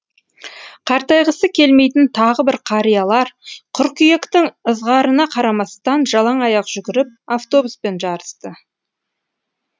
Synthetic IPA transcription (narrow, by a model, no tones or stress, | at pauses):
qʰɑɾt̪ɑjʁəsəkʲʰe̞lme̞jt̪ɪnt̪ʰɑʁəbɪɾqʰɑɾijɑlˠɑɾqʰʊɾkʲʏjekt̪ɪŋəzʁɑɾənɑqʰɑɾɑmɑst̪ɑnʒɑlˠɑɴɑjɑqʒ̥ʏɡʲɪɾɪp̚aft̪o̞buspe̞nʒɑɾəst̪ə